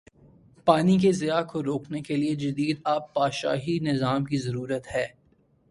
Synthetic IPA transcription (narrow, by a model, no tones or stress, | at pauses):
paːnikezɪjakoɾoːknekelied͡ʒɐd̪iːd̪aːpːaːʃa̰ːɦinɪzaːmkizɐɾuːɾət̪hɛː